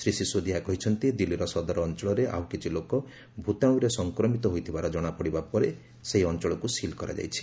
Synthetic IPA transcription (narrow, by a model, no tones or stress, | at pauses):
sɾisisod̪iɦakɔɦit͡ʃʰɔnt̪id̪ilːiɾɔsɔd̪ɔɾɔːnt͡ʃɔɭɔɾeʔa̰wkit͡ʃʰilokɔ | bʱut̪aw̃ũɾesɔŋkɾɔmit̪ɔɦojt̪ʰibaɾɔd͡ʒɔɽ̃apɔɽibapɔɾe | seɦiɔnt͡ʃɔɭɔkusilkɔɾa̰d͡ʒa̰jt͡ʃʰi̥